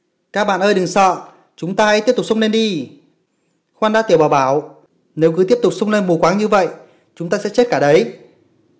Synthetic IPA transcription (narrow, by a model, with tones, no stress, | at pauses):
kaː˦˧k̚ɓa̰ː˧˨nʔəː˧jɗɨ˨˩ŋsə̰ː˧˨ | t͡ɕʊ˨˦ŋ͡mt̪aː˧a˧˥j̪ti˦˥p̚t̪ʊ˨˩k͡p̚sə˧ŋ͡mne˧nɗi˧ | xwaː˧nɗaː˧˥t̪i˨˩əwɓaː˨˩wɓaː˧˩w | ne˨˦wk̬ɨ˨˦t̪i˦˥əp̚t̪ʊ˨˩k͡p̚sə˧wŋ͡mne˧nmu˨˩kwaː˨˦ŋɲɨ˧və̰˧˨j | t͡ɕʊ˨˦ŋ͡mt̪aː˧sɛ̰˧˥t͡ɕe˦˥t̚kaː˧˩ɗə˨˦j